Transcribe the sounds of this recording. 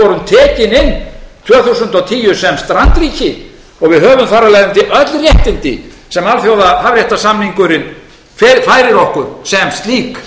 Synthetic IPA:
ɔɾʏmt̪ʰɛːcɪnɪnːt̪ʰvœːθusʏnt̪awt̪ʰiːjʏsɛmst̪ɾant̪ɾiːcɪ | ɔɣvɪðɦœːvʏmθaɾːalɛjðɪmt̪ɪʔœt̪lrjɛht̪ɪnt̪ɪ̰ | sɛmalθjowðahavɾrjɛjht̪asamniŋkʏɾɪn | fɛfaːjɾɪɾɔhkʏɾ̥sɛmst̪liːk

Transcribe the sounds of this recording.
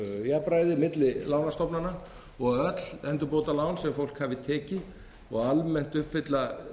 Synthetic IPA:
japɾaːjðɪmɪt̪lɪlaːwnast̪ɔpnana | ɔɣœt̪l̥ɛnt̪ʏpoːwt̪alaːwnsɛmfowl̥khavɪt̪ʰɛːcɪ | ɔɣalmɛn̥t̪ʏhpfɪt̪la

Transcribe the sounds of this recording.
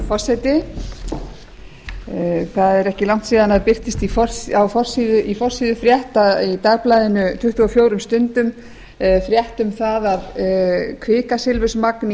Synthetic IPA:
fɔrsɛjt̪ɪ | θaðɛɾɛhcɪlawŋ̥t̪siːðanaðpɪr̥t̪ɪst̪ifɔ̥sawfɔr̥siðʏʔifɔr̥siːðʏfɾjɛht̪ait̪aɣplajðɪnʏt̪ʰʏht̪uɔfjoːwɾʏmst̪ʏnt̪ʏm | fɾjɛht̪ʏmθaðaðkʰvɪːkasɪlvʏsmakn

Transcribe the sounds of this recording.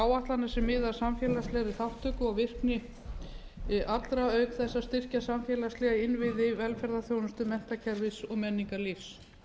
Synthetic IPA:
aːwaht̪lanːasɛmːɪːðaɾ̥samfjɛːlast̪lɛɣɾɪθaht̪œɥkʏaɣvɪr̥knɪ | ʔat̪lɾaœɥkθɛsːast̪ɪr̥casamfjɛːlaslɛːɣaɪnvɪðɪvɛlfɛɾðaθjownʏst̪ʏmɛn̥t̪acʰɛɾvɪsɔɣmɛnːiŋkalɪfs

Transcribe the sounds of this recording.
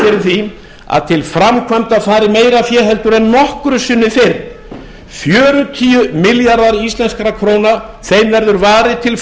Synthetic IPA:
ɪɾɪθi | a̰ðt̪ʰɪlfɾamkʰvamt̪afaːɾɪmeːjɾafjɛːɦɛlt̪ʏɾɛnːɔhkɾʏsʏnːɪfɪr | fjœːɾʏt̪ʰiːʏmɪljaɾðaɾist̪lɛnskaɾakʰɾownaθejmvɛɾðʏɾvaːɾɪt̪ʰɪl

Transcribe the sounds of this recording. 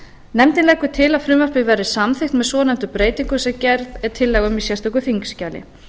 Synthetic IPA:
nɛmt̪ɪnlɛkʏt̪ʰɪlaðfɾʏmaɾ̥pɪvɛɾɪsamθɪxt̪mɛðsɔːnɛm̥t̪ʏpɾeːjt̪iŋkʏsɛcɛɾðɛɾt̪ʰɪlːɛːɣʏmisjɛst̪ɔkʏθiŋkscaːlɪ̰

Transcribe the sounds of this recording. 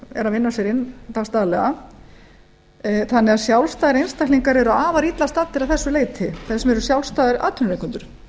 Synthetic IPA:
ɛ̰ɾaðvɪnːasɛɾɪnːt̪aɣst̪aːðlɛɣa | θanːɛaðsjawlst̪aːðɪɾejnst̪aht̪liŋkaɾɛɾʏaaːvaɾit̪last̪aːt̪ːɪɾaðθɛsːʏleːjt̪ʰɪθɛsɛmɛɾʏsjawlst̪aːðɪɾa̰ːt̪ʰʏnɾeŋkʰʏnt̪ʏɾ̥

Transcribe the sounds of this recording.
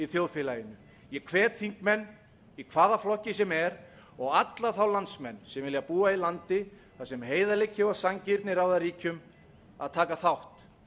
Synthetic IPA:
iθjowðfɪlaːjɪnʏ | jɛkʰvɛːt̪θiŋkmɛnː | ikʰvaːðaflɔhcɪsɛmɛɾ | ɔɣat̪laθawlant̪smɛnːsɛmvɪljapuːailant̪ɪ | θasɛmɦeːjðalecːɪasaŋcɪɾt̪nɪɾawðaɾiːcʏm | a̰ðt̪ʰaːkaθawht̪

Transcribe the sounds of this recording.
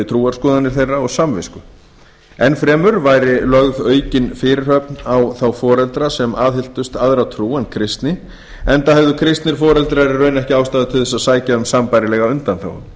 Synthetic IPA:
ɪt̪ʰɾuːaɾ̥skɔːðanːɪɾ̥θejrːaɔɣsamvɪ̰skʏ | ɛnfɾɛːmʏɾvaːjɾɪlœɣðœːɥcɪnfɪːɾɪr̥hœp̚nawθawfɔːɾɛlt̪ɾasɛmaːðhɪl̥t̪ʏst̪aðɾawt̪ʰɾuːankʰɾɪst̪nɪ | ɛnt̪ahɛvðʏkʰɾɪst̪nɪɾ̥fɔːɾɛlt̪ɾaɾɪrœːɥnɛhcɪawst̪aːðʏt̪ʰɪθɛsːasaːjcansampajɾɪlɛɣaʏnt̪anθa̰w̰m

